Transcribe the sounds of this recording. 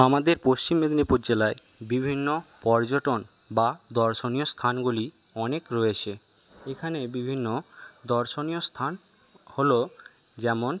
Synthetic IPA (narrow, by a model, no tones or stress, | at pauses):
amad̪eɾpost͡ɕimːed̪nipuɾd͡ʑelae | bibʱinːo | pɔɾd͡ʑoʈon | bad̪ɔɾʃoniost̪ʰanɡuli | ɔnekɾoet͡ɕʰe | ekʰanebibʱinːo | d̪ɔɾʃonijost̪ʰan | holo | d͡ʑɛmon